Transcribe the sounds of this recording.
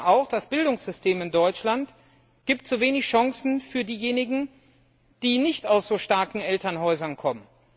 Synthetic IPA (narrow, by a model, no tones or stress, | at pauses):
ʔaʊxd̥asb̥ɪldʊŋsz̥ʏstʰeːmɪndɔʏt͡ʃlant | ɡ̥iːp̚tz̥uveːnɪçʃaŋsn̩fyːɐdiːjeːnɪɡŋ̩ | d̥iːnɪçtaʊsz̥oːʃtaɐkn̩ʔɛltɐnɦɔʏzɐnkʰɔmən